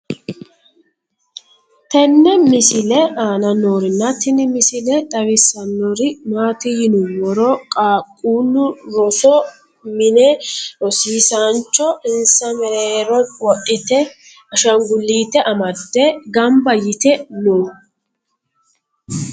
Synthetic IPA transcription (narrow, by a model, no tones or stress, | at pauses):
t̪ɛnːɛmɪsɪlɛʔaːnɐnoːɾɪnːɐt̪ːɪnɪmɪsɪlɛt̪ʼɐwɪsːɐnːɔɾɪmaːt̪ɪjɪnʊwɔɾɔkʼaːkʼːuːnʊɾɔsɔ | mɪnɛɔsiːsant͡ʃːɔɪnsɐmɛɾeːɾɔwɔʔʼɪt̪ɛ | ɐʃɐŋɡʊlːiːt̪ɛʔɐmɐd̪ːɛɡɐmbɐjɪt̪ɛnoː